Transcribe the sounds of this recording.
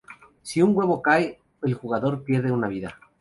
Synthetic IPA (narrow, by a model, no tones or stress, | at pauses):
siuŋɡwe̞βo̞kaj | elxuɣaðo̞ɾpje̞ɾðeunaβ̞iða